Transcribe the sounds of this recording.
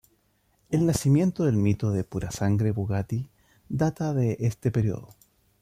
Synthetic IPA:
elnasimje̞nt̪oðe̞lmit̪oðepuɾasaŋɡɾeβoɣat̪i | d̪at̪aðeʔest̪epeɾjo̰ðo

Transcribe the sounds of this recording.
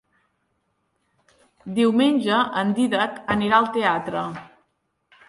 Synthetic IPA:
d̪iwmenʲʒd͡ʒəʔənd̪iðəkəniɾaəlˠt̪eat̪ɾə

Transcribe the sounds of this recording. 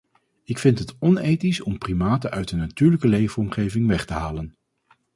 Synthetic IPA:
ɪkfɪntɦətɔnejtisɔmprimaːtəʔœɥtənatyːɹləkəlejvəɔmχejvɪŋʋɛχtəɦaːlən

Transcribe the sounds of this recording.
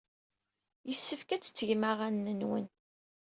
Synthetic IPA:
jəsːəfkæt͡sːə̥t͡sːəʝmaʁænːənwə̰n

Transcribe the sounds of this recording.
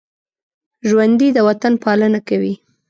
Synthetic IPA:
ʒwand̪id̪əwat̪anpɑlənakawi

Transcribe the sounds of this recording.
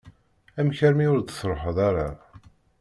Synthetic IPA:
æmçəɾmiʊɾd̪sɾˤoħəðˤaɾa

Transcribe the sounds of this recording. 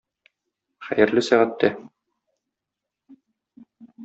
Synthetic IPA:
χæ̰jɘ̆ɾlɘsæʁæt̪ːæ

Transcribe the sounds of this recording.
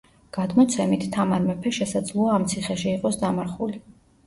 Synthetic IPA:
ɡ̥ad̪mɔt̪sʰɛmit̪ʰːamaɾmɛpʰɛʃɛsad̪zlˠɔaːmt̪sʰiχɛʃiːqʼɔsd̪amaɾχuli

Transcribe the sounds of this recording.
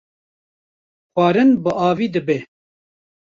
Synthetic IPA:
xʷɑːɾɨnbɨʔɑːviːd̪ɨbe

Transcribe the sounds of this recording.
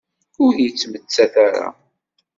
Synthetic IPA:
ʊɾjət͡sːmət͡sːæθaɾa̰

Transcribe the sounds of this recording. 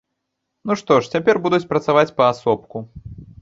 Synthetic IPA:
nuʂt̪ɔʂt͡sʲapʲɛrbud̪ut͡sʲpɾɐt̪savat͡sʲpɐːsɔp̚ku

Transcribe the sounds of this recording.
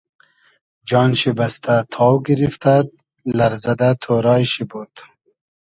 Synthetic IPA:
d͡ʒɑːnʃibast̪at̪ʰɑːwɡiɾift̪ad̪̚ | lɐɾzɐd̪at̪ʰoɾɑːjʃibud̪

